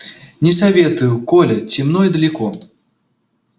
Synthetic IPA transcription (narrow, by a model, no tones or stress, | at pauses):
nʲɛsavʲɛt̪ujukɔlʲɐt͡sʲimnɔjid̪ɐlʲikɔ